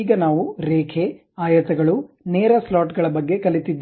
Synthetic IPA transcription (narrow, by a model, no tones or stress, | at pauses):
ɡɐnaːʋuɾeːkʰe | aːjɐt̪ɐɡɐɭu | neːɾɐslaːʈɡɐɭɐbɐɡːe̞kɐlit̪id̪ː